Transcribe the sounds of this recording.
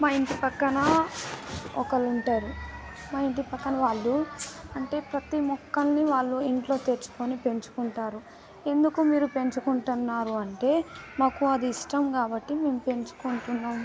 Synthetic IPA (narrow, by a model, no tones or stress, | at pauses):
maːiɳʈipɐkːɐnɐ | ɔ̰kɐluɳʈaːɾu | maːiɳʈipɐkːɐnɐʋaːɭːuɐɳʈe̞ːpɾɐt̪imɔkːɐlniʋaːɭːuiɳʈlo̞ːt̪e̞ɾt͡ʃu̥ko̞ːnipe̞ɲt͡ʃu̥kuɳʈaːɾu | e̞nd̪ukumiːɾupe̞ɲt͡ʃukuɳʈunːaːɾuɐɳʈe̞ːmaːkuɐd̪iːʂʈɐmkaːbɐʈːime̞ːmupe̞ɲt͡ʃu̥kuɳʈunːaːm